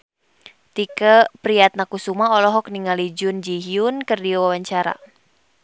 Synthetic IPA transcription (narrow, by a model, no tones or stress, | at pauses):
t̪ikəpɾiat̪̚nakusumaɔlɔɦɔk̚niŋalid͡ʒʊnd͡ʒiɦiunkɨrdiawawaɲt͡ʃaɾa̰